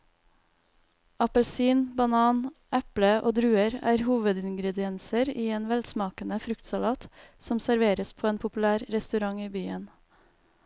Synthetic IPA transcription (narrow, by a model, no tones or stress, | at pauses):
ɑpəlsiːnbɑnɑːnʔæpləʔo̰ːd̪ɾʉːəɾæ̰ːɾhuːʋəd̪ɪŋɡɾɛd̪ɪɛnsəɾiːeːnʋɛlsmɑːkənəfɾʉkt̪sɑlɑːt̪sɔmsæɾʋeːɾəspʰoːeːnpʰʊpʉlæːɾɾɛst̪ʉɾɑŋiːbyːən